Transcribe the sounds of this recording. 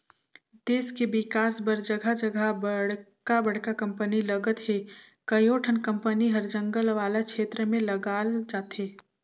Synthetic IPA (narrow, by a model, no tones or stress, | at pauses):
d̪̥eːskebɪkaːsbɐɾd͡ʒəɡʱad͡ʒəɡʱabəɽkabɐɽkakɐ̃mpənilɐɡət̪ɦe | kɐjoːʈʰənkə̃mpəniɦɐɾd͡ʒə̃ŋɡəlʋaːlakʃeːt̪ɾəmẽlɐɡaːld͡ʒaːt̪ɦeː